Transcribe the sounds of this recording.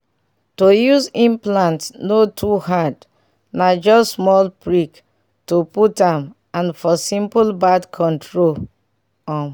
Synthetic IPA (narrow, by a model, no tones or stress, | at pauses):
tojuzĩmplãntnotʰuɦad | nad͡ʒɔssmɔlpɹik | toputãm | ãnfɔsĩmplbadkʰɔ̃ntɹol | ɔ̃n